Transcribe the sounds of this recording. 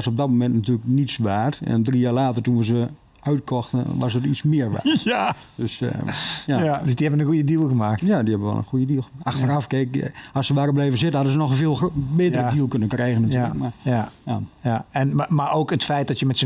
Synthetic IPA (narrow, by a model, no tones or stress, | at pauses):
asob̚dɔt̚momɛntnatyːləknitsʋaːtɛ̰ndrijaːɹlaːtərtunʋəzə | œɥt̚kʰɔxtə̰ʋas̬ətit͡smɪərʋa̰ːdøs | jadəsdiɛbənənxujədilˠɣəmaːk̚jadihɛbənʋɛ̰lˠə̰nxujədilˠɣəmaːaxtərafkekasəʋaːrəblejvəzɪtn̩hɑdəzənɔxfɪːlˠbɪtərədilˠkønəkrɛjɣənatyələəkmajaɛnamaoːkətfɛjt̚dɔtjəmɛtsə